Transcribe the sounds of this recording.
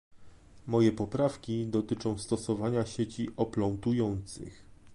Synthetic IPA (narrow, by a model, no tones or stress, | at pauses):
mɔjɛpɔpɾafkʲid̪ɔt̪ɘt͡ʂɔ̃w̃st̪ɔsɔvaɲaɕet͡ɕiʔɔplɔnt̪ujɔnt̪sɘ̰x